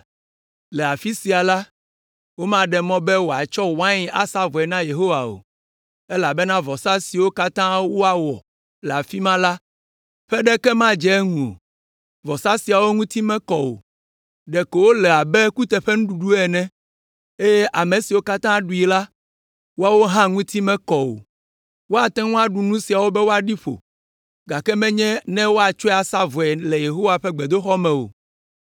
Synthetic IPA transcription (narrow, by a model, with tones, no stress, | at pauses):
lɛ˨a˨fi˦si˨a˨la˦ | wo˦mã˦ɖɛ˨mɔ̃˦bɛ˦wo˨a˨t͡ʃɔ˦wã˦ɲi˦a˦sa˦vɔ˨ɛ˨nã˦je˨ɦo˦wa˨o̰˨ | e˦la˨bɛ˦nã˦vɔ˨sa˦si˨wo˦ka˦t̪ã˦wo˦a˨wɔ˨ | lɛ˨a˨fi˦mã˦la˦ | ɸɛ˦ɖɛ˦kɛ˦mã˦d͡ʒɛ˦ŋũ˨o̰˨ | vɔ˨sa˦si˨a˨wo˦ŋũ˦t̪i˦mɛ̃˦kɔ˨o̰˨ | ɖɛ˨ke˨wo˦lɛ˨a˨bɛ˦ku˦t̪ɛ˨ɸɛ˦ŋũ˦ɖu˨ɖu˦ɛ˨nɛ̃˦ | e˦je˦ʔa˨mẽ˨si˨wo˦ka˦t̪ã˦ɖu˨i˨la˦ | wo˦a˨wo˦ɦã˦ŋũ˦t̪i˦mɛ̃˦kɔ˨wo̰˨ | wo˦a˨t̪ɛ̃˦ŋũ˦a˨ɖu˨nũ˦si˨a˨wo˦bɛ˦wo˦a˨ɖi˦ɸo̰˨ | ɡa˨kɛ˦mɛ̃˦ɲɛ̃˦nɛ̃˦wo˦a˨t͡ʃɔ˦ɛ˦a˨sa˦vɔ˨ɛ˨lɛ˨je˨ɦo˦wa˨ɸɛ˦ɡ͡be˨d̪o˦xɔ˦mɛ̃˨o̰˨